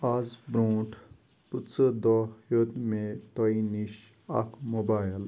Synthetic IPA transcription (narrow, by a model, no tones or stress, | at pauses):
azbɾoːʈ | put̪t͡səd̪ɔjot̪mẽt̪oiniʃ | ɐ̰kmobaːjəl